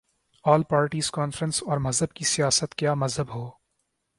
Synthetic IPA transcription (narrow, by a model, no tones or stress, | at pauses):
ɔːlpaːɾʈiːz̥kɔːnfɾə̃nsɔːɾmɐzɦəbkisijaːsət̪kjaːmɐzɦəbɦoː